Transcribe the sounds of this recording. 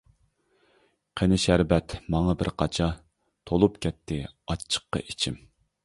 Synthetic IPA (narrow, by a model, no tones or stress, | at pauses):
qʰenɪʃæɾbɛt̪mɑŋɑbɪ̰ɾqʰɑt͡ʃʰɑ | t̪ʰolˠupkʲɛt̪ʰːɪɑt͡ʃʰːə̥qːɑ̰ʔit͡ʃʰɪm